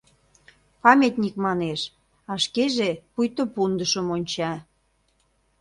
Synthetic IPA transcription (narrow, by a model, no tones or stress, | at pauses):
pɑmʲet̪ʲnʲikmɑneʃ | ɑʃkeʒepujt̪opund̪əʃəmonʲt͡ɕɑ